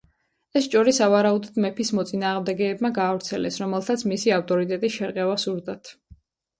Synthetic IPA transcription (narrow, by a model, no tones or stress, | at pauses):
ɛst͡ʃʼɔɾisavaɾaud̪ɔd̪mɛpʰismɔt̪sʼinaːʁmd̪ɛɡɛːbmaɡaːvɾt̪sʰɛlɛsɾɔmɛlˠt̪ʰat̪sʰmisiaft̪ʼɔɾit̪ʼɛt̪ʼisʃɛɾqʼɛvasuɾd̪at̪ʰ